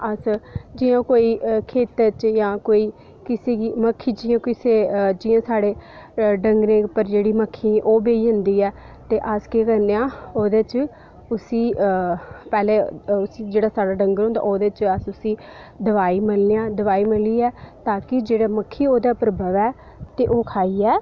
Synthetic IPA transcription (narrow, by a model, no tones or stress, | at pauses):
əsd͡ʒɪjõːkoːiːkʰeːt̪ət͡ʃjãːkoːiː | kɪseːɡiːməkʰːiːd͡ʒɪːõːkɪseːd͡ʒɪːãːsaːɽeːɖəŋɡɾẽːpəɾd͡ʒeːɽiːməkʰːiːʔoːbeːiːɦʊnd̪iːɛː | t̪eːʔəskeːkəɾneãːoːd̪eːt͡ʃ | ʊsiː | pɛːleːʊsĩːd͡ʒeːɽaːsaːɽaːɖəŋɡəɾɦõnd̪a̰ːʔoːd̪eːt͡ʃəsʊsĩː | d̪əʋaːiːmɪlneːãːd̪əʋaːiːmɪliːɛːt̪aːkɪd͡ʒeːɽaːməkʰːiːoːd̪aːpəɾəbəʋɛː | t̪eːʔoːkʰaːiːɛː